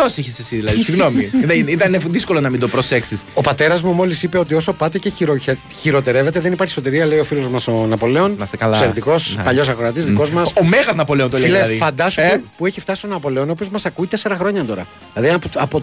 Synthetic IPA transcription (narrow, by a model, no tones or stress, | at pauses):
osiçisesiðilɐðisiɣno̞miit̪ɐnefðisko̞lonɐmid̪o̞pɾoseksiso̞pɐt̪e̞ɾɐzmumo̞lisipe̞o̞t̪̬io̞so̞pɐt̪eceɾo | çiɾo̞t̪e̞ɾeve̞t̪eðe̞nipɐɾçi̥so̞t̪̬iɾiɐle̞io̞filo̞zmɐso̞nɐpo̞le̞o̞nɐsɐlsseɾt̪iko̞spɐʎo̞s̬ɐkoɾɐt̪izðiko̞zmɐsomeɣɐznɐpo̞leont̪oleleðifɐnd̪ɐsmepueçift̪ɐsi̥st̪onɐpo̞le̞o̞nopio̞zmɐsɐkuit̪e̞seɾɐxɾo̞ɲɐt̪o̞ɾɐ | ilɐðinpuɐpo